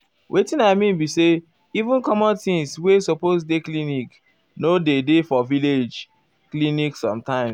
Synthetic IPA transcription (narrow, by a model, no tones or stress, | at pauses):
wʔetĩnaɪmĩnbise | ivũnkɔmɔ̃ntĩŋswesopos̬deklinik | nodedefɔviled͡ʒ | kliniksɔ̰̃mtãɪ̃ms